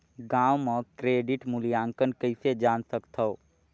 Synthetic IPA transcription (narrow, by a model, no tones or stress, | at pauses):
ɡãwmə̃kɾeːɖiʈmulijaːŋkənkəɪsed͡ʒaːnsəkt̪ʰə